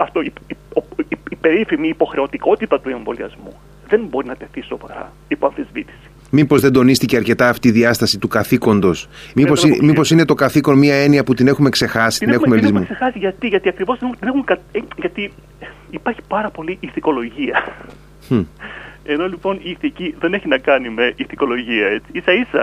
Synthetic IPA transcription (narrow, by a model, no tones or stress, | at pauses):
ɐft̪oiioiipeɾifimiːpo̞xɾe̞o̞t̪iko̞t̪it̪ɐt̪ue̞ɱvo̞̰liɐ̰zmṵ | ðe̞nbo̞ɾinɐt̪e̞θisovɐ̰ɾɐ̰ | ipoɐnθizvit̪i̥si̥ | mipozðe̞nd̪o̞nist̪ice̞ɐɾce̞t̪ɐːft̪iːðiɐst̪ɐsit̪ukɐθiko̞nd̪o̞smiposimipo̞sine̞t̪o̞kɐθiko̞nmiɐe̞niɐput̪ine̞xume̞kse̞xɐsi̥t̪ineumelizmusexɐsiʝɐt̪iʝɐt̪iɐkɾivo̞zðet̪inexumkɐʝɐt̪i | ipɐɾçi̥pɐɾɐpo̞liʔiθiko̞lo̞ʝiɐ | e̞no̞lipo̞niːθiciðeneçinɐkɐnimeʔiθiko̞lo̞ʝiɐet͡siisɐisɐ̰